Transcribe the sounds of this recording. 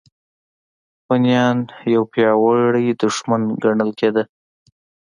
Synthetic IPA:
ɣɑnijɑnjawpjɑwəɽajd̪ʊʂmanɡaɳəlked̪ə

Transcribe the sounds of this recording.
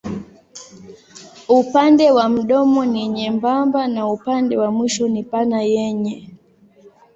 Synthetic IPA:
upandɛwam̩ɗɔmɔniɲɛmbambanaupandɛwamwiʃɔnipanajɛɲɛ

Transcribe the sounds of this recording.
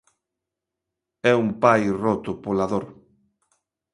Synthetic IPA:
ɛumpajrɔt̪ʊpolaðoɾ

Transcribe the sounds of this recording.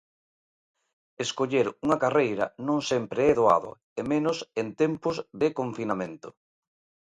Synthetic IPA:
eskoʎeɾuŋɐkarejɾɐ̰nõŋsempɾeɛðoa̰ðʊ̰ | emẽnʊsent̪empʊzðɪkoɱfinamẽnt̪ʊ

